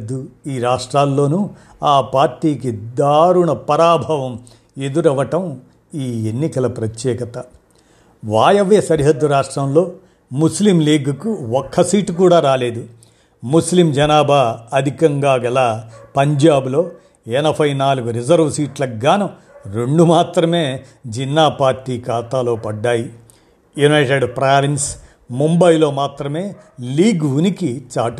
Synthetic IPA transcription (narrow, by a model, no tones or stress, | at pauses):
d̪ːuiːɾaːʂʈɾaːlːo̞ːnu | aːpaːɾʈiːkid̪aːɾuɳɐpɐɾaːbʱɐʋɐm | e̞d̪uɾɐʋɐʈɐm | iːenːikɐlɐpɾɐt̪jɛːkɐt̪ɐ | ʋaːjɐʋeːsɐɾiɦɐd̪ːuɾaːʂʈɾɐmlo̞ː | muslimliːɡɐkuɔkʰːɐsiːʈkuːɽaːɾaːle̞ːd̪u | muslimd͡ʒɐnaːbʱaːɐd̪ʱikɐŋɡaːɡɐlaːpɐɲd͡ʒaːbulo̞ː | ɛnɐbʰʱɐjnaːluɡuɾid͡ʒɐɾʋsiːʈlɐɡaːnɐ | ɾeɳɖumaːt̪ɾɐme̞ː | d͡ʒinːaːpaːɾʈːiːkaːt̪aːlo̞ːpɐɖːaːji | junɐjʈeɖpɾaːʋins | mumbɐjlo̞ːmaːt̪ɾɐme̞ːliːɡʋunikit͡ʃaːʈu